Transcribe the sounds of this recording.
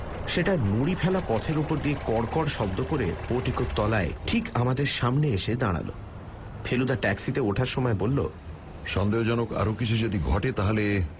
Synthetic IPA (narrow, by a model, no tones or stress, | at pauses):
ʃeʈanuɽipʰɛlapɔt̪ʰeɾupoɾd̪iekɔɽkɔɽʃɔbd̪okoɾḛpoʈikott̪ːɔlaeʈʰikamad̪eɾʃamneeʃed̪aɽ̃a̰lo̰ | pʰelud̪aʈɛksit̪eoʈʰaɾʃɔmɔebolːo̰ | ʃɔnd̪eod͡ʑɔnoka̰ɾokit͡ɕʰud͡ʑod̪iɡʱɔʈet̪aɦole